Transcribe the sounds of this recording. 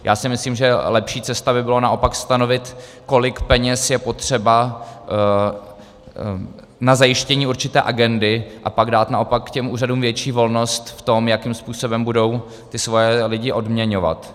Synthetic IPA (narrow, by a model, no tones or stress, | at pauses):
jʔa̰ːsɪmɪsliːmʒɛlɛpʃiːt͡sɛst̪abɪbɪlonaʔo̞pakst̪ano̞vɪt̪ | ko̞lɪkpɛɲɛsjɛpo̞t̪r̝̥ɛba | nazajɪʃcɛɲiːuɾt͡ʃɪt̪ɛ̰ːʔaɡɛndɪʔapaɡdaːt̪naʔo̞pakːcɛmʔuːraduːmvjɛt͡ʃiːvo̞lno̞st̪ft̪o̞mjakimspuːso̞bɛmbudo̞w | t̪ɪsvo̞jɛlɪɟɪʔo̞dmɲɛɲo̞va̰t̪